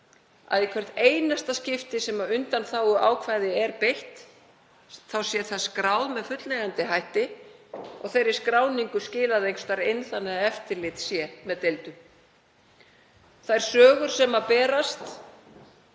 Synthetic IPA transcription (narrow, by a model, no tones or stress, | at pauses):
a̰ðikʰvɛr̥t̪eːjnast̪ascɪft̪ɪsɛmaʏnt̪anθawʏa̰ːwkʰvajðɪɛɾpejht̪ | θawsjɛ̥θaskɾaːwðmɛðfʏt̪lɛɣant̪ɪɦajht̪ɪ | ɔ̰ɣθejɾɪ̥skɾaːwniŋkʏscɪːlaðejŋst̪aɾejnθanmːɛðaɛft̪ɪɾlɪːt̪sjɛmɛðt̪ejlt̪ʏm | θajɾ̥sœːɣʏɾ̥sɛmapɛːɾast̪